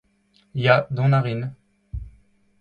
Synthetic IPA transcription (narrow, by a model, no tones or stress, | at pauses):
jad̪ɔ̃naʁin